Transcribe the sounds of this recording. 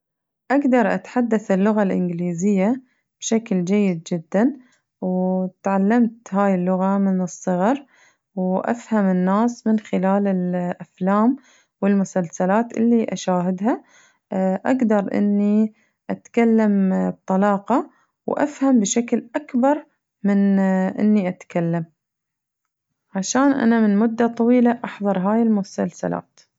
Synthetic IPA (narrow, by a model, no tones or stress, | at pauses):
ʔaɡd̪ɑɾˤʔat̪ħad̪ːaθɪlːʊɣalʔɪ̰nɡɪliːzɪjːa | b̥ʃakld͡ʒajːɪd̪̚d͡ʒɪd̪ːan | wt̪ʕalːamt̪haːjɪlːʊɣamɪnɨsˤːɨɣɑɾˤ | wʔa̰fhamɪnːaːsmɪnxɪlaːlɪlʔaflaːm | wɪlmʊsalsalaːt̪ʔɪ̰lːiʔaʃaːɦɪd̪ɦa | ʔaɡd̪ɑɾˤʔɪ̰nːi | ʔat̪kalːamb̚t̪ˤɑlɑːqɑ | wʔa̰fhambʃaklʔakbɑɾˤ | mɪnʔɪ̰nːiʔat̪kalːam | ʕaʃaːnʔa̰namɪnmʊd̪ːat̪ˤɑwiːlaʔɑħðˤɑɾˤɦaːjɪlmʊsalsa̰la̰ːt̪